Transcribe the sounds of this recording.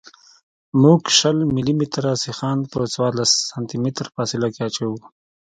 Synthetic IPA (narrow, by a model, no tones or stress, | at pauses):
muɡʃəlmilimit̪ɾasixɑːnpət͡swɑɾlasːant̪imit̪ɾfɑsɪlakeat͡ʃawu